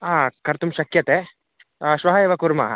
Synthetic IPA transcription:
aːkɐɾt̪umʃɐkjɐt̪eː | ʃʋɐɦɐjeːʋɐkuːɾma̰ːɦɐ̰

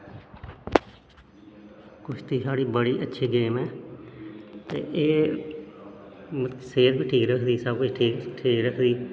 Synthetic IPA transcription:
kʊt͡ʃʰt̪iːsaːɽiːbəɽiːʔətːʃʰiːɡeːmɛː | t̪ḛːʔeː | mseːt̪biːʈʰiːkɾəkʰd̪iːsəbkʊt͡ʃʈʰiːkʈʰiːkɾəkʰd̪iː

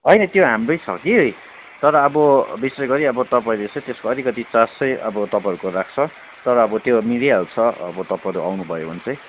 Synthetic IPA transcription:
ɦʌjnʌt̪joɦamrʌjt͡sʰʌ̰kiɦoj | t̪ʌɾʌːbʌbisrʌɡʌɾiʌbʌt̪ʌpaĩlet͡sʌ̃j̃t̪eskoʌɾikʌt̪it͡sasʌjʌ̰bʌt̪ʌpãʌɾukorak̚ʰt͡sʰʌ | t̪ʌɾʌːbʌt̪jomidijaut͡sʰʌʌ̰bʌt̪ʌpãʌɾuʔa̰wnubʱʌjobʱʌnt͡sʌj̃

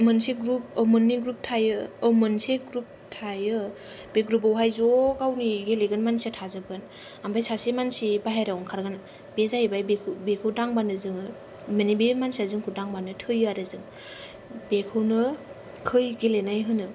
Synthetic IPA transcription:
mɯnseɡɾup̚əmɯnːiɡɾup̚tʰajɯːmɯnseɡɾup̚tʰajɯ | b̥eɡɾup̬awɦajzoɡawniɡeleɡɯnmansiatʰazɯɡɯn | ambajsasimansibaɦaɾawɔŋkʰaɾɡɯn | bezajbajbekʰɯbekʰɯwdaŋbanɯzɯŋɯ | mɯnibemansiazɯŋkʰudaŋbanɯtʰɯjaɾɯzɯŋ | bekʰɯwnɯ | kʰɯjɡelenajɦɯnɯ

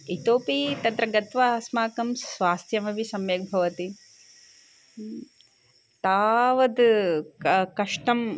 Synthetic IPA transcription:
it̪oːpit̪ɐnt̪ɾɐɡɐt̪ʋasmaːkɐmsʋaːst̪ʰjɐmɐʋisɐmjeːk̚bʱɐʋɐt̪i | t̪aːʋɐd̪ | kɐʂʈɐm

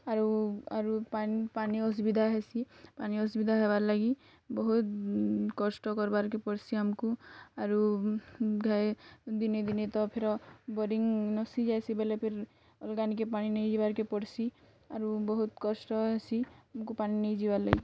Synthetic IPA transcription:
aɾua̰ɾupanipaniɔs̬bid̪ʱaɦesʰipaniɔs̬bid̪ʱaɦeβaɾlaɡi | bɔɦut̪kɔsʈɔkɔɾbaɾkepɔɽsʰiamkuaɾu | ɡʱaed̪ined̪inet̪ɔpʰeɾɔbɔɾiŋnɔsid͡ʒajsibelepʰeɾ | ɔlɡanik̬epaninejd͡ʒibaɾkepɔɽsʰi | aɾubɔɦut̪kɔsʈɔɦesʰiamkupaninejd͡ʒibaɾla̰ɡḭ

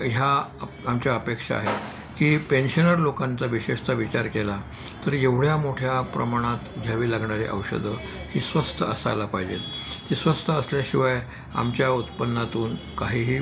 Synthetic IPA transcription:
ɦja | amt͡ɕjaəpekʂa̰ːɦe | kiːpenɕənəɾlokãnt͡saʋiɕeʂt̪əʋit͡ɕaɾkela | t̪əɾeʋɽjamoʈʰjapɾəmaɽ̃at̪ɡʱjaʋiːlaɡɳaɾeʔə̰ʋɕə̰d̪ʱə | hiːsʋəst̪ʰəəsa̰lapajd͡ʑḛt̪t̪isʋəst̪ʰəəsljaɕiʋaj | a̰mt͡ɕjaut̪pənːat̪uːn | kaɦiːɦiː

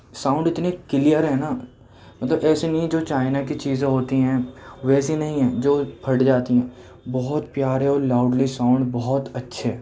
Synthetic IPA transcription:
sãːʊ̃ɳɖɪt̪nekɪlijəɾɦɛ̃ːna | mɐt̪ləbɛːsenɐɦĩd͡ʒoːt͡ʃaːɪnakit͡ʃiːzẽɦoːt̪iɦɛ̃ːʋɛːsinɐɦĩɦɛ̃ːd͡ʒoːpʰɐɽd͡ʒaːt̪iɦɛ̃ː | bɔɦɔt̪pjaːɾeɔːɾlaːʊɖlisãːʊ̃ɳɖbɔɦt̪ɐtːʃʰe

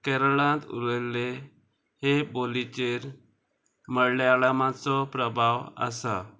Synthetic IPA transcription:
kɛɾəlãt̪ṵɾəle | hebolit͡ɕeɾ | məɽleaɭamãt͡sɔpɾəbʱawa̰sa

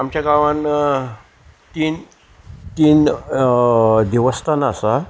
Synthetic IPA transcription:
amt͡ɕjaɡaʋãn | t̪iːn | t̪iːn | d̪iʋəst̪anasa

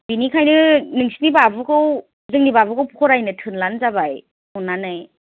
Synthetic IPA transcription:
binikʰajnɯnɯŋsinibabɯkʰɯw | zɯŋnibabɯkʰɯwpʰukʰɔɾajnɯtʰɯnlanzabaj | ɔnːanɯj

